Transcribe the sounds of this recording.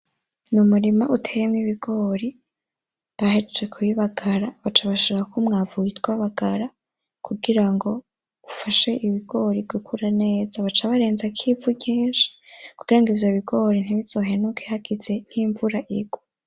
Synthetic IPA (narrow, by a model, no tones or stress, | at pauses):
numuɾimaʔutʰejemŋiβiɡo̞ːɾi | βaɦed͡ʒekʰujiβaɡaɾaβat͡ʃaβaʃoɾakumŋaːvuɾitwaβaɡ̥aɾa | kʰuɡiɾaŋɡo̞ | ufaʃe̞ʔiβiɡ̥o̞ɾiɡukʰuɾane̞ːz̥aβat͡ʃaβaɾe̞ːnzakʰivuɟiːnʃi̥kuɡ̥iɾaŋɡivjo̞βiɡo̞ɾin̥iβiz̥o̞ːɦenukʰehaɡid͡ze̞n̥hiɱvuɾaʔiɡ̥wu